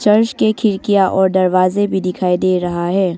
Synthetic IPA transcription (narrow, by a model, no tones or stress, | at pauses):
t͡ʃɐɾʃkekʰɪɾkijaʔɔːɾd̪ɐɾʋaːzebʱid̪ɪkʰaːid̪eːɾɐɦaɦɛː